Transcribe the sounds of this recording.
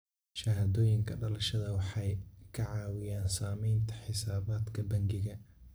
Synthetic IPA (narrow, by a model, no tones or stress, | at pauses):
ʃɐɦaːðɔːjɪŋkʰɐɖɐlɐʃɐðɐwɑħɑjkʰɐʕɑːwɪjaːnsaːmɛjnt̪ʰɐ̥ħɪsaːβaːd̪kʰɐbɐŋɡɪɣɐ